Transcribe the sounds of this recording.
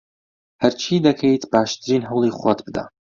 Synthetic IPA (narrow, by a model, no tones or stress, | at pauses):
hɐɾt͡ʃʰiːd̪ɐkʰejt̪baːʃt̪ʰɨɾiːnɦɐwlˠiːχwat̪bɨd̪a̰